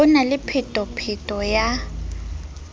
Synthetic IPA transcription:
ʊnalɪpʰɪtʼɔpʰɪtʼɔja

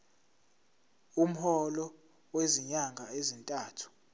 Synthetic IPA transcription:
um̩hɔlɔ | weziɲaŋɡʱaezintʼaːtʰu̥

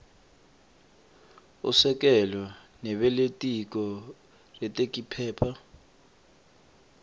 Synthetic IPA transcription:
ṵsɛk̬ʼɛlɔ | nɛɓɛletʼik̬ɔ | rɛtʼek̬ʼipʰɛːpʰa

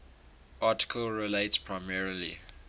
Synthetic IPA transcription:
ʔɑˑtɪ̥kʰəlɹileɪtspʰɹaɪmɛɹəlḭ

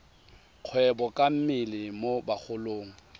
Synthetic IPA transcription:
q͡χʰwɛbɔkʼam̩mɪlɪmobak͡xʰʊloːŋ̩

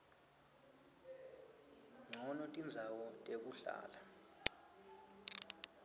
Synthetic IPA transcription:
ŋ͡ǀʱɔnɔtʼind͡zʱawɔtʼek̬ʼuɬa̰ːla

